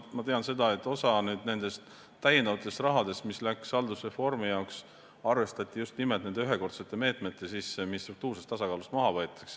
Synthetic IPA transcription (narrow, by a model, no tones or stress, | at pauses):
mɑt̪e̞ɑnse̞d̪ɑe̞t̪ːˑo̞sɑnyːd̪ne̞nd̪̥e̞st̪ː | æjend̪ɑvɑt̪ːˑe̞st̪rɑɦɑd̪e̞st̪mislæksɑld̪usre̞fo̞rmijɑoks | ɑrve̞st̪ɑt̪ʲːˑijust̪nimeld̪ne̞nd̪eyɦe̞ko̞rt̪set̪ːˑe̞me̞ːt̪ˑme̞t̪ːˑesiːsmist̪ruk̚t̪uːrsest̪ɑsɑkɑːlust̪mɑɦɑvɤet̪ːˑɑ̥ks